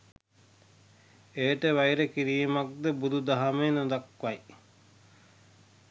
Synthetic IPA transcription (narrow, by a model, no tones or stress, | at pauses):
eːʈəʋajɾekiɾiːmak̚d̪ebud̪ud̪aɦamenod̪akʋaj